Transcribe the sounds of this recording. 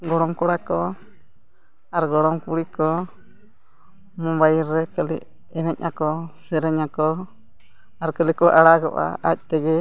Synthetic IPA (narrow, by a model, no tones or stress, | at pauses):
ɡɔɽɔmkɔɽakɔ | aɾɡɔɽɔmkuɽikɔ | mɔmbajiɾːɛkəlḭʔ | ɛnɛc̚akɔsɛɾɛɲakɔ | aɾkəlikɔʔaɽaɡɔ̰ʔa̰ac̚t̪ɛɡɛ